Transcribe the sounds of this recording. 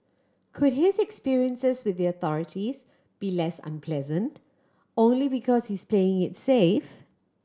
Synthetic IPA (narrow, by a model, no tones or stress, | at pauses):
kʰʊdhɪzɛkspiɹiə̃nsɪzwɪðiəθɔɹɪtʰiz̥ | b̥ilɛsə̰̃npʰl̥ɛzə̃nt | õʊ̃nlibikʰɔz̥hiz̥pʰl̥eɪɪ̃ŋɪtsef